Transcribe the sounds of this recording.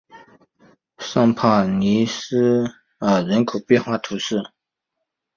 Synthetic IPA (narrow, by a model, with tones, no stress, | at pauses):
ʂɑ˥˧ŋpʰa˥˩ni˧˥sɹ̩˥ | ə˨˩ɻə˧˥nkʰo˨˩ʊpjɛ˥˧nxwa˥˩t̪ʰu˧˥ʂɻ̩˥˩